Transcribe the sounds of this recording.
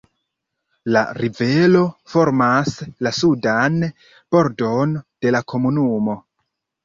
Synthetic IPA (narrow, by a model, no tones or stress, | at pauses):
la̰ɾive̞lo̞fo̞ɾmaslasudan | b̥o̞ɾdo̞nd̥e̞lakʰo̞munumo̞